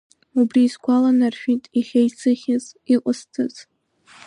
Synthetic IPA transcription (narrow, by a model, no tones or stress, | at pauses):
ubriːskʷʰalanarʃᶣitʼiχʲejt͡sʰɨχʲɪziqʷʼʊstʰɨz̥